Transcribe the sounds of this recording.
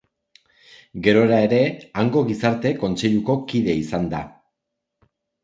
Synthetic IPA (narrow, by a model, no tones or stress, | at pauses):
ɡe̞ɾo̞ɾae̞ɾe̞aŋɡo̞ɣisaɾt̪e̞ko̞nt͡se̞ʎuko̞kiðe̞isand̪a